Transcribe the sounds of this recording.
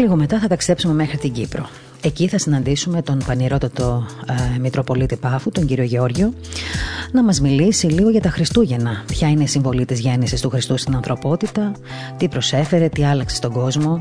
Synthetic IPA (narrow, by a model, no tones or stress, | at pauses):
liɣo̞me̞t̪ɐθɐt̪ɐkst̪e̞psume̞me̞xɾit̪iɲɟipɾo̞̰ | e̞ciθɐsinɐnd̪isume̞t̪o̞npɐniɾo̞t̪ɐt̪o̞mit̪ɾo̞po̞lit̪ipɐfut̪o̞ɲɟiɾio̞ʝeo̞ɾʝo̞ | nɐmɐzmilisiliɣo̞ʝɐt̪ɐxɾist̪uʝe̞nɐpçɐineisiɱvo̞lit̪izʝe̞nisist̪uxɾist̪ust̪inɐnθɾo̞po̞t̪it̪ɐ | t̪ipɾo̞se̞fe̞ɾe̞t̪iɐlɐksest̪o̞ɡo̞zmo̞